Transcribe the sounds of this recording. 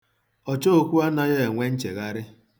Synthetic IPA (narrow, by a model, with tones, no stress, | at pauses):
ɔ˨t͡ʃo˦˨kʷu˦a˦na˨je˦e˨ŋʷe˦n̩˦t͡ʃe˨ɣa˦ɾɪ˦